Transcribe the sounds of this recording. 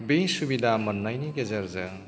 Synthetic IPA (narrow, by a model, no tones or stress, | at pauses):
bejsubid̪ʱamɐnːajniɡezɐɾzɐ